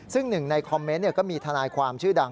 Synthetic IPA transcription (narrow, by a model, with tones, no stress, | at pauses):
sɯ˥˩ŋnɯ˨˩ŋna˧jkʰɔ˧mːe˦˥nːi˥˩ɐkɔː˥˩miː˧t̪ʰa˧aː˧jkʰwaː˧mt͡ɕʰɯː˥˩da˧